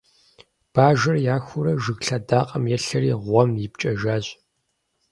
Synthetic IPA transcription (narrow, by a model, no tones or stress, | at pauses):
b̥aːʒɐrjaːxʷʊɾɐʒɨɣɬɐdaːqʼɐmjɛɬɐriːʁʷɔmjɪpt͡ʃʼɐʒaːɕʼ